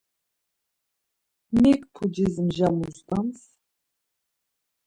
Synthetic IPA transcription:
mikpʰud͡ʒizmʒamuzt̪ʼams

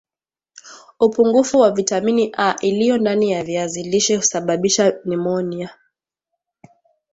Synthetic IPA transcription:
upuŋɡufuwavitaminiʔaʔilijɔndanijaviaziliʃɛhu̥saɓaɓiʃanimɔnia

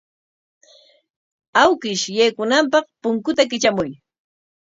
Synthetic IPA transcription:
awkɪʃjajkʊnampɑχpʊŋkʊt̪akɪt͡ʃamʊj

